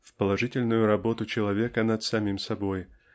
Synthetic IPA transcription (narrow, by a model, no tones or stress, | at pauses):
fpəlˠɐʐɨtʲɪlʲnʊjʊɾɐbo̞t̪ʊt͡ɕɪlˠɐvʲekənət̪sɐmʲimsɐbo̞j